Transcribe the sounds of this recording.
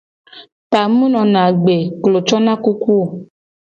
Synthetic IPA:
pa˨mũ˦nɔ̃˨nã˨ɡ͡be˨klo˨t͡ʃɔ˦nã˦ku˦ku˦o˨

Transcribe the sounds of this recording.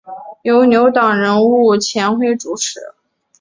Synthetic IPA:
jo˧˥ʊnjo˧˥ʊt̪ɑ˨˩ŋɻə˧˥nu˥˩t͡ɕʰjɛ˧˥nxwe˥˧ɪʈ͡ʂu˨˩ʈ͡ʂʰɻ̩˧˥

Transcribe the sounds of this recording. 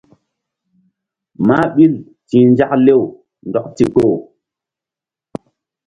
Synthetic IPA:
ma˦ɓi˦l | ti˨nd͡ʒa˦kle˦w | ndɔ˨kti˨ko˦˨

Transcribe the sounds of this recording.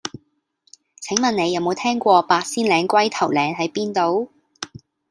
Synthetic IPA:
t͡sʰɪ˨˥ŋmɐ˨ne˨˧jɐ˨˧wmo˨˧wt̪ʰɛː˥ŋkʷɔː˧paː˧t̚siː˥nlɛː˨˧ŋkʷɐ˥jt̪ʰɐ˨˩wlɛː˨˧ŋɦɐ˨˥jpiː˥nt̪o˨˧w

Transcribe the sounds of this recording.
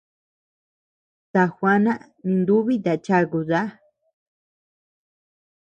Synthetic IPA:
t̪a˧xʷa˦nã˦ | nĩ˧nd̪u˦βi˦t̪a˨t͡ʃa˧ɣu˧ða˦

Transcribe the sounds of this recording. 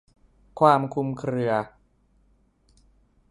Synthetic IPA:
kʰwaː˧mkʰu˧mkʰɾɯ˧ɐ

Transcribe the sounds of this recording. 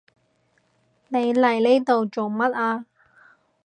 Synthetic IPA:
ne˨˧jlɐ˨˩jle˥t̪o˨wt͡so˨wmɐ˥t̚aː˧

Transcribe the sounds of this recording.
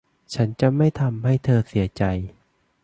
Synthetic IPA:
t͡ɕʰa˦˥nt͡ɕa˨˩ma˥˩jt̪ʰa˧mɦa˥˩jt̪ʰɤː˧si˩˦ɐt͡ɕa˧j

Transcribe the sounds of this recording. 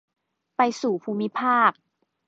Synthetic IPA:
pa˧jsuː˨˩pʰuː˧mi˦˥pʰaː˥˩k̚

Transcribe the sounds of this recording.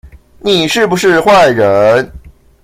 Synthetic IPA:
ni˨˩ʂɻ̩˥˩bu˨˩ʂɻ̩˥˧xwa˥˩ɪɻə˧˦n

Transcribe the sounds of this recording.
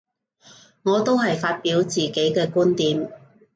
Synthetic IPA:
ŋɔː˨˧t̪o˥whɐ˨jfaː˧t̚piː˨˥wt͡siː˨ke˨˥jkɛː˧kuː˥nt̪iː˨˧m

